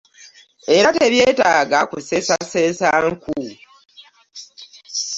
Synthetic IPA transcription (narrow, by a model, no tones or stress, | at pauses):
e̞ɾate̞βje̞ːtaːɡakuse̞sasesaŋku